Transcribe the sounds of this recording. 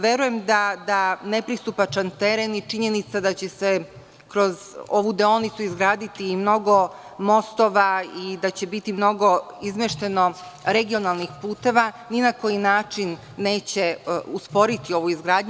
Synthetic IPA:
ʋje̞ɾuje̞md̪ad̪ane̞pɾist̪upat͡ʃant̪e̞ɾenit͡ʃiɲe̞nit̪sad̪at͡ɕese | kɾo̞zo̞ʋud̪eonit̪suizɡɾaːd̪it̪imno̞ɡo̞ | mo̞st̪o̞ʋaid̪at͡ɕe̞bit̪imno̞ɡo̞izmeʃt̪e̞no̞ɾe̞ɡio̞nalˠnixpuːt̪e̞ʋa | ninako̞jinaːt͡ʃinː | e̞ːt͡ɕe̞uspo̞ɾit̪io̞ʋuizɡɾaːd̪ɲu

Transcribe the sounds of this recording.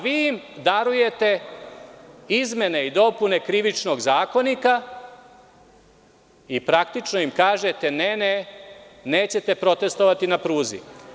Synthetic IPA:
ʋiimd̪aɾuje̞t̪e̞ | izme̞ne̞id̪o̞pune̞kɾiʋit͡ʃno̞ɡzaːko̞nika | ipɾak̚t̪it͡ʃnoimkaːʒet̪e̞nene | neːt͡ɕe̞t̪e̞pɾo̞t̪e̞st̪o̞ʋat̪inapɾuːzḭ

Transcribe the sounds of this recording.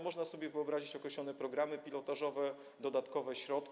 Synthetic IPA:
mɔʐnasɔbʲjɛvɘɔbɾaʑit͡ɕɔkɾɛɕlɔnɛpɾɔɡɾamɘpʲilɔt̪aʐɔvɛ | d̪ɔd̪at̪kɔvɛɕɾɔt̪kʲ

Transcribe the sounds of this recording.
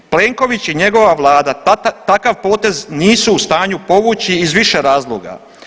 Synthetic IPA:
ple̞ːŋko̞ʋit͡ɕiɲe̞ɡo̞ʋaʋlˠaːd̪at̪akaʋpo̞ːt̪e̞zniːsuːst̪aːɲupo̞ʋut͡ɕiːzʋiʃeɾaːzlˠoɡa̰

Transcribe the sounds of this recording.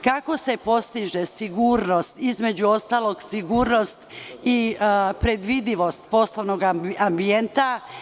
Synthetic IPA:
kako̞se̞po̞st̪iʒesiɡuːɾno̞st̪izme̞d͡ʑuo̞st̪aːlˠo̞ɡsiɡuːɾno̞st̪ipɾe̞d̪ʋid̪iʋo̞st̪po̞sloʋnoɡambie̞nt̪a

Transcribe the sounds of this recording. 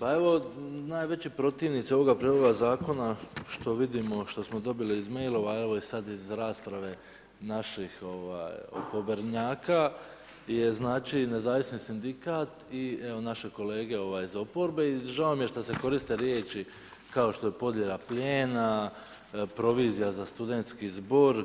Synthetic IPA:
pae̞ʋo̞naːjʋe̞t͡ɕipɾo̞t̪iːʋnit̪sio̞ʋo̞ɡapɾiːloɡazaːko̞naʃt̪o̞ʋid̪imo̞ʃt̪o̞smo̞d̪o̞biliːzme̞jlˠo̞ʋae̞ʋo̞isad̪izɾaːspɾaʋe̞ | naʃixo̞ʋa̰ːjo̰po̞beɾɲaːka | je̞znaːt͡ʃine̞zaːʋisnisind̪ikaːt̪ieo̞naʃe̞ko̞le̞ːɡe̞o̞ʋaːjizo̞po̞ɾbe̞iʒaomjeʃt̪ase̞ko̞ɾist̪e̞ɾjeːt͡ʃi | kao̞ʃt̪o̞jepo̞d̪je̞lˠapʎeːna | pɾo̞ʋiːzijazast̪ud̪e̞nt̪skizbo̞ɾ

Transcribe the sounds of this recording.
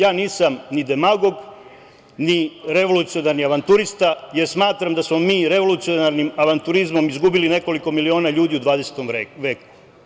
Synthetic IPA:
jaːniːsamnid̪e̞maɡo̞ɡ | niɾe̞ʋo̞lut̪sio̞naɾniaʋant̪uɾist̪aje̞ɾsmaːt̪ɾamd̪asmomiːɾe̞ʋo̞lut̪sijonaɾnimaʋant̪uɾizmo̞mizɡubiline̞ko̞liko̞milio̞ːnaʎuːd̪iud̪ʋaːd̪e̞se̥t̪omʋeːku̥

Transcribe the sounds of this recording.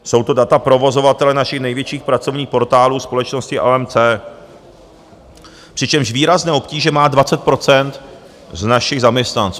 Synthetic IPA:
so̞wt̪o̞dat̪apɾo̞vo̞zo̞vat̪ɛlɛnaʃɪxnɛjvjɛt͡ʃiːxpɾat͡so̞vɲiːxpo̞ɾt̪aːluːspo̞lɛt͡ʃno̞scɪʔaɛmt͡sɛː | pr̥ɪt͡ʃɛmʒviːɾaznɛːʔo̞pciːʒɛmaːdvat͡sɛt̪̚pɾo̞t͡sɛnt̪ | znaʃɪɣzamɲɛst̪nant͡suː

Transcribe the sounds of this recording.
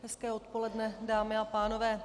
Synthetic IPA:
ɦɛskɛːo̞t̪̚po̞lɛdnɛdaːmɪapaːno̞vɛː

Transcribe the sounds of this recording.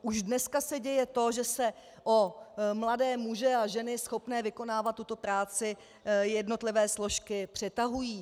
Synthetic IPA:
ʔuʒdnɛskasɛɟɛjɛt̪o̞ʒɛsɛ | ʔomladɛːmuʒɛaʒɛnɪsxo̞pnɛːvɪko̞naːvat̪ːut̪o̞pɾaːt͡sɪ | jɛdno̞t̪lɪvɛːslo̞ʃkɪpr̥ɛt̪aɦujiː

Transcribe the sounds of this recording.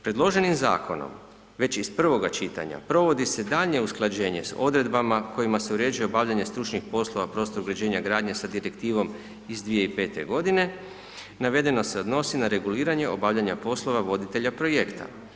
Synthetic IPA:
pɾed̪lˠo̞ʒe̞nimza̰ːkʰo̞̰no̰m | ʋe̞t͡ɕispr̩ʋo̞ɡat͡ʃit̪a̰ɲa̰pɾo̞ʋo̞d̪ise̞d̪aːʎɲe̞usklˠad͡ʑe̞ːɲe̞̰so̞d̪ɾe̞d̪bamakʰo̞jimase̞uɾe̞ːd͡ʒuje̞obaːʋʎaɲe̞st̪ɾut͡ʃɲixpo̞slˠo̞ʋapɾo̞st̪oɾuɡɾad͡ʑe̞ːɲaɡɾaːd̪ɲe̞sad̪iɾe̞kt̪iːʋo̞m | izd̪ʋijeipe̞ːt̪e̞̰ɡo̞d̪ine̞ | naʋe̞d̪e̞no̞se̞o̞d̪no̞sinaɾe̞ɡuliːɾaɲe̞o̞baːʋʎaɲapo̞slˠo̞ʋaʋo̞d̪it̪e̞ʎapɾo̞je̞kt̪ʰa̰

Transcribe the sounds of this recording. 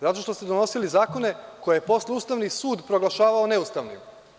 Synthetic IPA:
zat̪o̞ʃt̪o̞st̪ed̪ono̞silizaːko̞ne̞ko̞jejepo̞sleuːst̪aʋnisuːd̪pɾo̞ɡlˠaʃaːʋaone̞ust̪aʋnḭm

